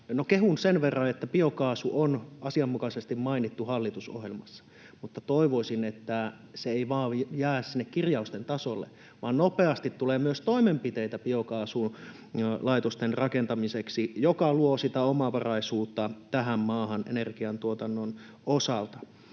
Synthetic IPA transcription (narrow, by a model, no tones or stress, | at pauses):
nokeɦunsenʋerːɑet̪ːæpiokɑːsuʔonʔɑsiɑmːukɑsest̪immɑinit̪ːuhɑlːit̪uso̰hjelmɑsːɑ̥ | mut̪ːɑt̪oiʋoisinet̪ːæ | seeiʋɑːjæːssinːekkirjɑust̪ent̪ɑsolːḛ | ʋɑːnnopeɑst̪it̪tːuleːmyøst̪oimempit̪eit̪æpiokɑːsun | lɑit̪ost̪enrɑkent̪ɑmiseksijokɑluosit̪æomɑʋɑrɑisuːt̪ːɑt̪æɦæmmɑːhɑnʔḛnerɡ̥iɑnt̪uot̪ɑnːon | osɑlt̪ɑ